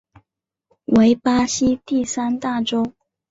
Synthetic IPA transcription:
we˧˥ɪpa˥ɕi˥t̪i˥˩sa˥nt̪a˥˩ʈ͡ʂo˥ʊ

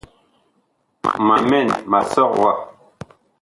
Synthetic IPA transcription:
ma˨mɛ˦˨nma˨sɔ˦˨k̚wa˦˨

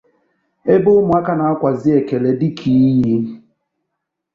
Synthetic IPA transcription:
e˦bʊ˦ʊ˦mʊ˨a˦ka˦na˨a˦kʷa˨zɪ˦e˨ke˨le˨dɪ˦kʰi˨˦ji˦

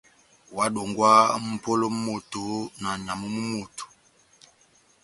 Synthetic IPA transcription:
wa˨˦do˨ŋɡwa˦m̩˨po˦lo˦mu˦mo˨to˨na˨ɲa˨mu˦mu˦mo˨tu̥˨

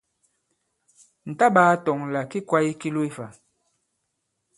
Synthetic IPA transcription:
n̩˨ta˦baː˨˦tɔ˨ŋla˨ki˦kwa˦i˦ki˦lu˦i˦fa˨

